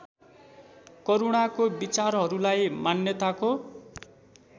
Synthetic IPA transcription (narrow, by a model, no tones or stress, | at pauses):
kʌɾuɽ̃akobit͡sarɦʌɾulajmanjʌt̪ako